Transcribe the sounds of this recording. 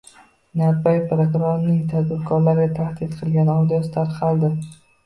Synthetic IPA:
naɾbajpɾokɾoɾnɪŋt̪ʰad̪bɪɾkʰɒɾlaɾɡʲat̪ʰahd̪ɪd̪qʰɨlˠɡʲanɒwd̪ijɒsɪt̪ʰaɾqʰɑlˠd̪ɪ

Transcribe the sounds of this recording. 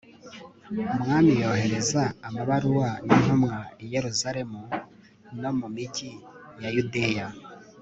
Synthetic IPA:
mŋaːmijo̞ːhe̞ɾe̞zaːmaβaɾuwaninomŋaije̞ɾuzaɾe̞mu | no̞mumicijajude̞ja

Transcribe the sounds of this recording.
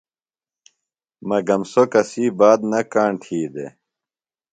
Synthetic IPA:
mɐɡɐmsokɐsiːbaːd̪nɐkaːɳʈʰiːd̪ḛ

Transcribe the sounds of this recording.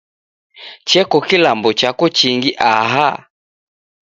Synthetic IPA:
t͡ʃɛkɔkilambɔt͡ʃakɔt͡ʃiŋɡiʔaɦa

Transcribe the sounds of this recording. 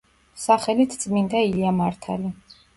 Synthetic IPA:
saχɛlit̪ʰt̪sʼmind̪ailiamaɾt̪ʰa̰li

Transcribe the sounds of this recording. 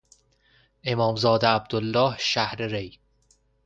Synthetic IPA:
ʔe̞mɒːmzɒːd̪eæb̚d̪̥olːɒːhʃæhɾeɾej

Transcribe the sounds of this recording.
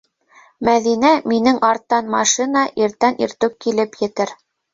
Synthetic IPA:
mæðinæminɘŋʔɑɾt̪ːɑnmɑʃinɑʔiɾt̪ænʔiɾt̪ɵk̚kːilɘpjɘ̆t̪ɘɾ

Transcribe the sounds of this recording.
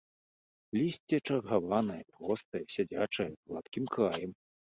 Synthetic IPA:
lʲisʲt͡sʲɛt͡ʂɐrɣavanɐjɛpɾɔst̪ɐjɛsʲad͡zʲat͡ʂɐjɐzlˠa̰t̪kʲimkɾajɛm

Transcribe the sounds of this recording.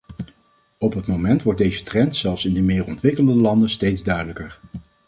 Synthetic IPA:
ɔpɦətmomɛntʋɔɹt̚dejzətrɛntsɛlˠfsɪndəmɪːrɔntʋɪkəlˠəndəlɑndəstejdzdœɥdələkəɹ

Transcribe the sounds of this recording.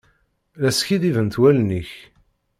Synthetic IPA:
læsçiðivənt̪wælniç

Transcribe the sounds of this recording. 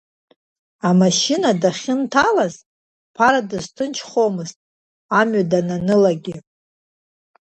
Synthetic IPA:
amaʃinadaχʲɪntʰalaz | pʰaɾadɨztʰɨnt͡ʃʰχo̞mɨztʼ | amɥadananɨlaɡʲɪ

